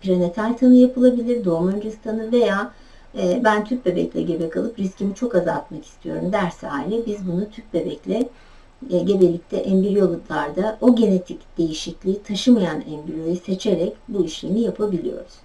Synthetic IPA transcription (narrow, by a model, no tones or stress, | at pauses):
pʰiɾane̞t̪ʰalʲt̪ʰanɯjapʰɯlˠabilʲiɾd̪o̞ɾmand͡ʒist̪ʰanɯve̞jaː | bænt̪ʰyp̚be̞bɛ̰clʲɛ̰ɟe̞bɛkalˠɯpɾiscimit͡ʃʰo̞kaza̰t̪̚maki̥st̪ʰijo̞̰ɾumd̪æɾsa̰ːilʲɛbizbunut̪ʰyp̚be̞bɛclʲɛ | ɟe̞belʲic̚t̪ʰɛʔɛmbiɾijolˠaɾd̪aʔo̞ɟe̞ne̞t̪ʰicd̪̥e̞jiʃiclʲiːt̪ʰaʃɯmajanɛmbiɾjojɯse̞t͡ʃʰe̞ɾɛcbuiʃlʲḛnijapʰabilʲḭjo̞̰ɾuz̥